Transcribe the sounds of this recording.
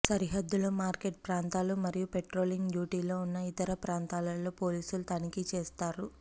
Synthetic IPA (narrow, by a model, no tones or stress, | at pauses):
sɐɾiɦɐd̪ːulumaːɾkeʈ̚pɾaːnt̪aːlumɐɾijupe̞ʈɾo̞ːliŋɡɖjuːʈiːlo̞ːunːɐit̪ɐɾɐpɾaːnt̪aːlɐlːo̞ːpo̞ːliːsulut̪ɐnikit͡ʃeːst̪aːɾu